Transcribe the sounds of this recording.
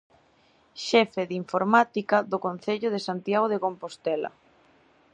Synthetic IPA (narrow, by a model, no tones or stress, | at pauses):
ʃɛfeðiɱfoɾmat̪ikɐðokon̟θeʎʊð̞esant̪jaɣoðekompost̪ɛlɐ̰